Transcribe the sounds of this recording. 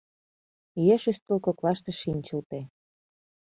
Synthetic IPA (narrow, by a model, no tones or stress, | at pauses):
jeʃyst̪̚kəlkoklɑʃt̪eʃimʲt͡ɕə̆lt̪e